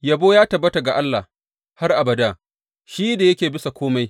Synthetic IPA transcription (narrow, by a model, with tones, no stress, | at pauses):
jɐ˨boː˦jaː˦tɐ˨bːɐ˦ta˨ɡa˨ʔa˦lːa˨h | ha˦rʔa˨bɐ˨daː˦˨ | ʃiː˦da˨jɐ˦kʲeː˨bɪ˦sa˨kʷʰoː˦ma˦j